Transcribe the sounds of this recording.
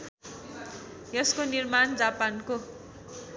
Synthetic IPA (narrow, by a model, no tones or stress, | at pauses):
jʌskonirmand͡zapanko